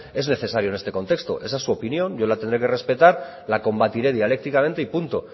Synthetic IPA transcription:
e̞zne̞θe̞saɾjone̞st̪e̞ko̞nt̪e̞kst̪o̰ʔe̞s̬asːuo̞pinjo̞nɟ͡ʝolat̪e̞nd̪ɾekere̞spe̞t̪aɾ | lako̞mbat̪iɾe̞ð̞iale̞k̚t̪ikamẽ̞nt̪eipunt̪o

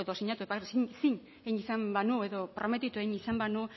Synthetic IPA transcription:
eðosiɲat̪uepassiɲ | ejɲisambanue̞ðo̞pɾome̞t̪it̪uejɲisambanu

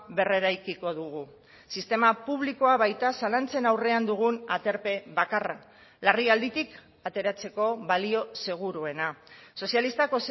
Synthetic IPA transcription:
βe̞re̞ɾajkiko̞ðuɣ̞u | sist̪e̞mapuβliko̞aβajt̪asalant͡se̞nawre̞and̪uɣunat̪e̞ɾpe̞βakara | lariald̪it̪ik | at̪e̞ɾat͡se̞ko̞βalio̞se̞ɣ̞uɾue̞naso̞sialist̪ako̞s

